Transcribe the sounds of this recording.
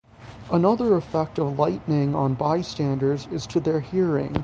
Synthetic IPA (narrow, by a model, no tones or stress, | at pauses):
ʔənʌðə˞əfɛk̚tʌvlaɪʔnɪ̃ŋə̃nbaɪstæ̃ndə˞dzɪz̥tʰɨðə˞hiɹɪ̰̃ŋ